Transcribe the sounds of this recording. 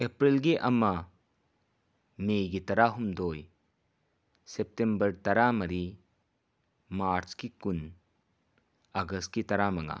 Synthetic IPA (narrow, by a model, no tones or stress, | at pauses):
epɾilɡeʔɐmɐ | mejɡit̪ɐɾaɦumd̪oj | sep̚tembɐɾt̪ɐɾamɐɾi | maɾt͡ʃkikun | ɐɡɐst̚kit̪ɐɾamɐŋa̰